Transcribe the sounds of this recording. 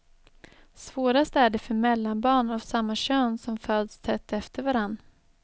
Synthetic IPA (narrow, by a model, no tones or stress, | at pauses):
svoːɾast̪æɖɛfœɾmɛlːanbɑːɳavsamːaɕøːnsɔmføːd̪st̪ʰɛt̪ʰːɛft̪ʰəɾvaɾanː